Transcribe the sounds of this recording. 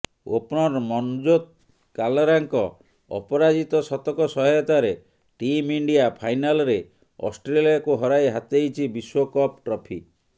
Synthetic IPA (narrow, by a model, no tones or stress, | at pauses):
o̰pɽɔɾmɔnd͡ʒot̪̚ | kalɔɾaŋkɔ | ɔ̰pɔɾad͡ʒit̪ɔsɔt̪ɔkɔsɔɦɔjɔt̪aɾe | ʈimiɳɖiapʰajnalɔɾe | ɔ̰sʈɾeliakuɦɔɾajɦat̪ejt͡ʃʰibiswɔkɔpʈɾɔpʰik